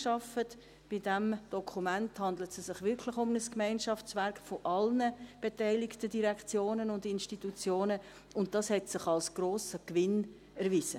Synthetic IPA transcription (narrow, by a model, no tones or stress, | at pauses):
ʃɑfət | b̥idɛmd̥ɔkʰumænthɑndlətsɛsɪχʋɪɾkʰlɪχʊmnəskmæɪnʃɑft͡svæɾkχfoʔɑlnəb̥etæɪlɪktədiɾɛkt͡sjoːnənʊndɪnʃtitut͡sjoːnə | ʊnt̚d̥ɑshɛtsɪχɑlsɡ̥roːsəkʋɪn | æɾvizə